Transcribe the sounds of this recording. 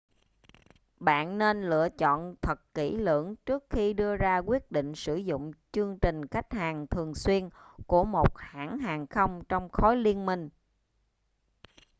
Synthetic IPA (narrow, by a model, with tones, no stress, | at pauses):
ɓa̰ː˧˨nːe˧nlɨ̰˧˨ət͡ɕɔ̰˧˨nt̪ʰə˨˩t̚ki˧˩lɨ̰˧˩˥əŋt͡ɕɨ˦˥ək̚xi˧ɗɨ˧əzaː˧kwi˦˥ət̚ɗḭ̈˧˨ŋ̟sɨ˧˩zʊ̰˧˨ŋ͡mt͡ɕɨ˧əŋt͡ɕï˨˩ŋ̟xa˦˥jk̟̚haː˨˩ŋt̪ʰɨ˨˩əŋswi˧ənku˧˩əmo˨˩t̚ha̰ː˧˩ŋɦaː˨˩ŋxə˧wŋ͡mt͡ɕɔ˧wŋ͡mxɔ˨˦jli˧ənmï˧ŋ̟